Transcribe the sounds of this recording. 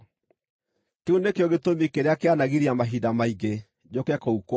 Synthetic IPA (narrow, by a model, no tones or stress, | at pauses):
keunekeɔɣetomikeɾeakeanaɣiɾiamaɦidamaiɣe | d͡ʑokɛkɔukw